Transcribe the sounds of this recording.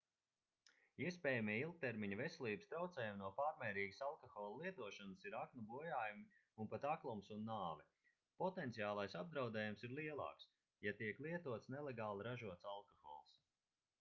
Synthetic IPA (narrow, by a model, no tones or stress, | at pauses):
iɛspʲɛːjamiɛilˠk̚t̪eɾmiɲɐvesʲɛlʲˠiːbəst̪ɾawt̪sɛːjumnuɔpaːɾmɛːɾiːɡə̥salˠkɔxɔːlˠlˠiɛt̪uɔʃanəsiɾaknubuɔjaːjumi | unpat̪aklˠumsunːaːvɛ | pɔt̪ɛnt̪sijaːlˠajsab̚d̪ɾawd̪ɛːjumsiɾlˠiɛlˠɑ̰ːks | jat̪iɛklˠiɛt̪uɔt̪snelˠeɡaːlˠiɾaʒuɔt̪salˠkɔxɔ̰lˠs